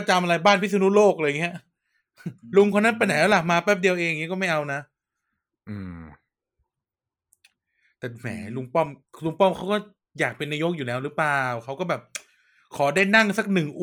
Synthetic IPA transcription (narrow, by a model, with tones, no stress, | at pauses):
a˧t͡ɕa˧mʔa˧ɾa˧jbaː˥˩npʰi˦˥sʰa˧nu˦˥loː˥˩k̚lɤː˧jŋi˦˥ɐʔ | lu˧ŋkʰnːa˦˥npa˧na˨˦lɛː˦˥la˨˩maː˧pɛː˥˩p̚di˧əwʔeː˧ŋŋːi˦˥kɔː˥˩ma˥˩jʔa˧wna˦˥ | ʔɯː˧˩ | t̪ɛː˨˩mɛ̰ː˩˦lu˧ŋpɔ˥˩mlu˧ŋpɔ˥˩˨mkʰa˦˥wkɔː˥˩ | jaː˨˩k̚pe˧nːaː˧jo˦˥k̚juː˨˩lɛː˦˥wɾɯː˦˥plaː˨˩wkʰa˦˥wkɔː˥˩bɛː˨˩p̚ | kʰɔː˩˦daː˥˩jna˥˩ŋsa˨˩k̚nɯ˨˩ŋʔ